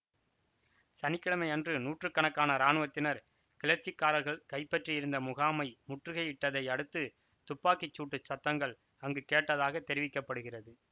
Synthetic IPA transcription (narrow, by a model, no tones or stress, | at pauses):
sɐnɪkːɐɭɐmɐɪɐndrɯnuːʈrɯkːɐɳɐkːaːnɐɾaːnɯʋɐt̪ːɪnɐɾ | kɪlɐɾt͡ʃɪkːaːɾɐɾɣɐɭkɐɪpːɐʈrijɪɾɯnd̪ɐmʊɣaːmɐɪmʊʈrɯɣɐɪɪʈːɐðɐɪɐɽɯt̪ːɯ | t̪ʊpːaːkɪt͡ʃːuːʈːɯt͡ʃːɐt̪ːɐŋɡɐɭ | ɐŋɡɯkeːʈːɐðaːɣɐt̪ɛɾɪʋɪkːɐpːɐɽɯɣɪrɐðɯ